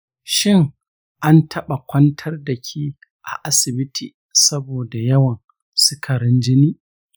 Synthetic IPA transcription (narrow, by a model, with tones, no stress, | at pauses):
ʃɪ˦ŋ | ʔa˦ntʰɐ˦ɓa˨kʷɐ˦ntʰɐ˦rdɐ˨kʲʰiː˦ | ʔa̰˨ʔa˦sɪ˨bɪ˦tʰiː˨ | sɐ˦boː˨da˨jɐ˦wɐ˨n | sʊ˦kʰɐ˨ɾɪ˦nd͡ʒɪ˦niː˦